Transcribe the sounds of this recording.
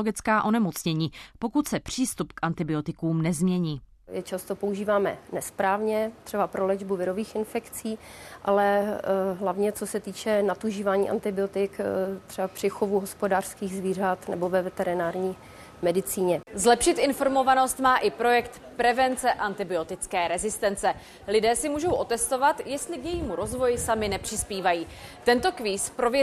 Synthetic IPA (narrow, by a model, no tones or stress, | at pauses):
oɡɪt͡skaːʔo̞nɛmot͡sɲɛɲiːpo̞kut̪sɛpr̝̥iːst̪upkʔant̪ɪbɪo̞t̪ɪkuːmnɛzmɲɛɲiː | jɛt͡ʃast̪o̞pouʒiːvaːmɛ̰nɛspɾaːvɲɛt̪r̥ɛbapɾolɛd͡ʒbuvɪɾo̞viːxʔɪnfɛkt͡siːʔalɛɦlavɲɛt͡so̞sɛt̪iːt͡ʃɛnat̪uʒiːvaːɲḭːʔa̰nt̪ɪbɪo̞t̪ɪkt̪r̥ɛbapr̝̥ɪxo̞vuɦospodaːr̥skiːɣzviːr̝at̪nɛ̰bo̞vɛvɛt̪ɛɾɪnaːɾɲiː | mɛdɪt͡siːɲɛzlɛpʃɪt̪ʔɪnfo̞ɾmo̞vano̞st̪maːʔɪpɾo̞jɛkt̪ | pɾɛvɛnt͡sɛʔant̪ɪbɪo̞t̪ɪt͡skɛːɾɛzɪst̪ɛnt͡sɛ | lɪdɛːsɪmuːʒo̞wʔo̞t̪ɛst̪o̞vat̪jɛst̪lɪkjɛjiːmuɾo̞zvo̞jɪsamɪnɛpr̝̥ɪspiːvajiː | t̪ɛnt̪o̞kviːspɾo̞v